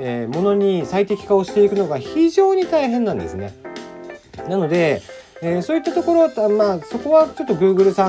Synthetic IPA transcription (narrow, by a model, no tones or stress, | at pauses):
emo̞no̞ɲ̟isait̪e̞kʲi̥kao̞ɕi̥t̪e̞ikɯ̟no̞ɡaçiʑo̞ːɲ̟it̪aiɦẽ̞nːãnd̪e̞̰sɨne̞̰ | nano̞d̪e̞eso̞ːit̪ːat̪o̞ko̞ɾo̞maːso̞ko̞βat͡ɕo̞t̪ːo̞ɡɯ̟ːɡɯ̟ɾɯ̟sã